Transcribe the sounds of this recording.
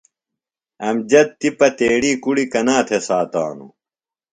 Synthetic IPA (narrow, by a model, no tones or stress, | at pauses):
ɐmd͡ʑɐt̪ːipɐt̪eːɽ̃iːkuɽikɐnaːt̪ʰesaːt̪a̰ːnṵ